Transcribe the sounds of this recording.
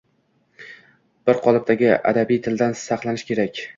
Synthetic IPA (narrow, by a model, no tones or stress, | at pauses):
b̥ɪɾqʰɒlˠɪp̚t̪ʰaɡʲɪʔa̰d̪abijt̪ʰɪld̪ansɑqlˠanɪʃkʲʰe̞ɾakʲ